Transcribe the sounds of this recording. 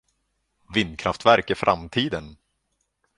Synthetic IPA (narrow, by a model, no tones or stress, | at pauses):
vɪnd̪kʰɾaft̪væɾkɪfɾʔa̰mt̪ʰiːd̪ən